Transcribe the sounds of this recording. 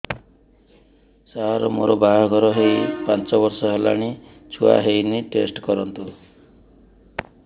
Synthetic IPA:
saɦaɾɔmo̰ɾɔbaɦɔɡʱɔɾɔɦejpant͡ʃɔbɔɾsɔɦela̰ɽ̃i | t͡ʃʰua̰ɦejniʈesʈkɔɾɔnt̪u

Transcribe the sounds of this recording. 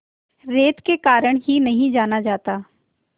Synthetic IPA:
ɾeːt̪kekaːɾəɽ̃ɦinɐɦĩd͡ʒaːnad͡ʒaːt̪aː

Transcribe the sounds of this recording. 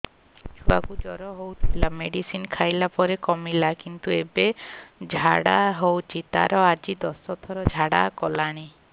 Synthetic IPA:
d͡ʒʰʱua̰kud͡ʒɔɾɔɦowt̪ʰilameɽisinkʰajlapɔɾekɔmilakint̪uebed͡ʒʱaɽaɦowt͡ʃʰit̪a̰ɾɔad͡ʒid̪ɔsɔt̪ʰɔɾɔd͡ʒʱaɽakɔlaɽ̃i

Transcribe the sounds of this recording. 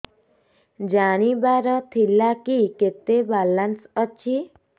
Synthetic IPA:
d͡ʒaɽ̃ibaɾət̪ʰilːakiket̪ebalansət͡ʃʰi

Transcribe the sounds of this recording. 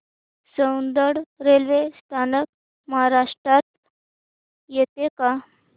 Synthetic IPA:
səwnd̪əɽɾelʋest̪ʰanək̚ | məɦaɾaʂʈɾat̪̚ | jet̪eka

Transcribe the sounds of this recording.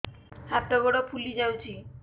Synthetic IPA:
ap̚ʈ̪aɡɔɽopʰulid͡ʑawt͡ɕʰi

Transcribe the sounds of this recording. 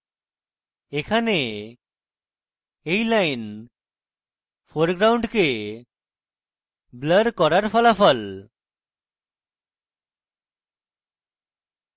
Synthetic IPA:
ekʰane | ejlajn | pʰoɾɡɾawɳɖke | bləɾkɔɾaɾpʰɔlapʰɔl

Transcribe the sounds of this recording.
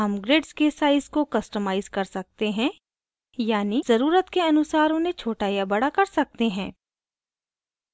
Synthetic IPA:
ɐmɡɾeːɖskesaːɪzkokɐsʈəmaːɪzkɐɾsɐk̚t̪eɦɛ̃ | jaːnizɐɾuːɾət̪keɐnʊsaːɾõnẽt͡ʃʰoːʈaːjabɐɽakɐɾsɐk̚t̪eɦɛ̃ː

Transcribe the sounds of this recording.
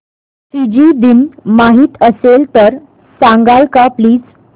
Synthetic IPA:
sid͡ʑid̪inmaɦiːt̪əselt̪əɾ | sãŋɡalkapliːd͡z

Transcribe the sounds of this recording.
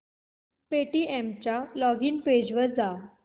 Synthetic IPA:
peʈiemt͡ɕalɔɡiːnped͡ʑʋəɾd͡za

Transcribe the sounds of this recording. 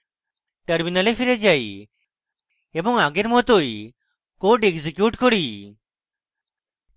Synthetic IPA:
ʈəɾminalepʰiɾed͡ʒaj | ebɔŋaɡeɾmɔt̪oi | koɖeɡzikjuʈkɔɽi

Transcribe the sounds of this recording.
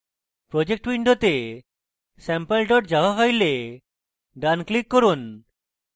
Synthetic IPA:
pɾod͡ʑek̚ʈwiɳɖot̪e | sɛmpelʈɔʈd͡ʒabafajle | ɖanklikːoɾun

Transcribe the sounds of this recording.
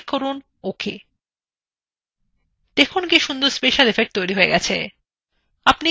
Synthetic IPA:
koɾon | okʰe | d̪̥ekʰonk̬iʃund̪oɾspeʃalefek̚ʈ̚t̪ojɾiɦoeɡɛt͡ɕʰḛ | apni

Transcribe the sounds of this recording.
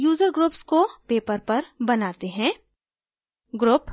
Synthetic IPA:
juːzəɾɡɾuːpskopeːpəɾpɐɾbɐnaːt̪eɦɛ̃ː | ɡɾʊːp

